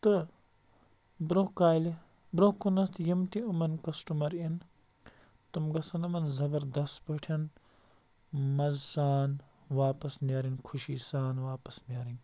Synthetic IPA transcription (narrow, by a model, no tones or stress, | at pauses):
t̪ɨ | bɾokaːjli | bɾohkunɐst̪ʰjimt̪iumɐnkɐsʈumɐɾin | t̪umɡɐsɐnɐmɐnzɐbɐɾd̪ɐst̪bɐʈʰɐn | mɐzːaːn | ʋaːpɐsneɾinʲkʰuʃisaːnʋaːpɐsnɐːɾinʲ